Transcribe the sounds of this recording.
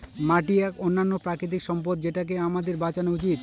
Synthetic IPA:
maʈ̬iɛkonːanːopɾakɾit̪̬ikʃɔmp̬od̪d͡ʑeʈak̬eamad̪eɾbat͡ɕanout͡ɕit̪

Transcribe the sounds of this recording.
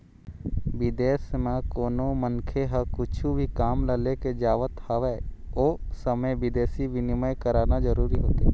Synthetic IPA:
ʋɪd̪eːsmãkoːnõmənkʰeɦəkʊt͡ʃʰubʱikaːmləleked͡ʒaːʋət̪haʋɛːoːsəmeʋɪd̪eːsiʋɪnɪməjkəɾaːnad͡ʒəɾuːɾiɦoːt̪eː

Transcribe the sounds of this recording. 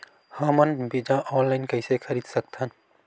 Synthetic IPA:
həmənbid͡ʒãʔɔːnlaɪnkɐɪsekʰɐɾiːd̪sɐk̚t̪ɦən

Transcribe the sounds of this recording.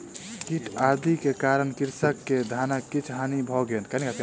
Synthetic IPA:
kiʈʰad̪ikekaɾənkiɾsəkːed̪ʱanakːit͡ʃʰɦanibʱɔɡenkanikat

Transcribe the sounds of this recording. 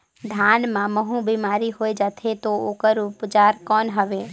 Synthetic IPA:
d̪ʱaːnmãməɦũbimaːɾiɦoːed͡ʒaːt̪ʰet̪ooːkəɾʊpd͡ʒaːɾkɔːnɦəʋeː

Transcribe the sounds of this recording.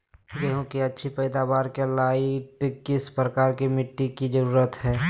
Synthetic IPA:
jɛɦõkiɐtːʃʰipɛːd̪aːbaːɾkelaːiʈkɪspɾəkaːɾkimɪʈːikid͡ʒəɾuːɾət̪ɦɛː

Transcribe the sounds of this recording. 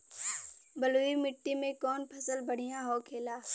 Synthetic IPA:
bəloːimɪʈːimẽkɔːnpʰɐsəlbəɽ̤ijãɦoːkʰeːlaː

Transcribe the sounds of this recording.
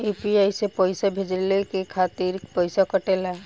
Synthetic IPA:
epiajsepəɪsabʱed͡ʒlekekʰat̪iɾpəjsakəʈeːla

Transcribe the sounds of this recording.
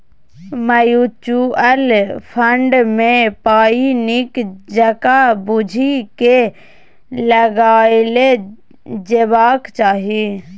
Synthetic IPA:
məjut͡ʃuəlpʰəɳɖmepaːinikd͡ʒəkabud͡ʒʱike | ləɡaːle | d͡ʒebaːkt͡ʃaːɦi

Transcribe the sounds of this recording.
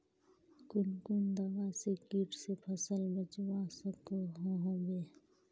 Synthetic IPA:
kʊnkʊnd̪əbasekiːʈʰsepʰəsəlbət͡ʃwasəkoɦoɦobeː

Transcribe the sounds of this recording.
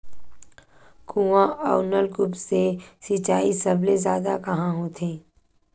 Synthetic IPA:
kuːʋãʔa̰ːnəlkʊpsesɪt͡ʃaːisəblezjaːd̪akɐɦãɦõːt̪ʰeː

